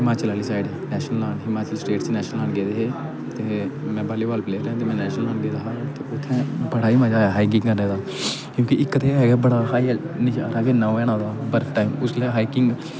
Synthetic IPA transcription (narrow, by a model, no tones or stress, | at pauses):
ɦɪmaːt͡ʃəlɦəlisaːɪɖɛːnɛːʃənəlaːnɦɪmaːt͡ʃəlsʈeːʈt͡ʃnɛːʃnəlaːnɡeːd̪eɦeː | t̪eːmɛ̃ːbaːlibaːlpleːɾ̃t̪emɛ̃ːnɛːʃnəlãːnɡeːd̪aːɦat̪eʊt̪ʰːẽbəɽaːimãd͡ʒaːjaɦaːiɡɪ̃ŋkəɾneːd̪aː | kjũːkiʔɪkːət̪eɦɛːɡɛbəɽaːɦaːi | nɪʃaːɾaːɡeːnaɛːñãːd̪aːbəɾʈaːɪmʊsleɦaːikɪ̃ŋɡm̃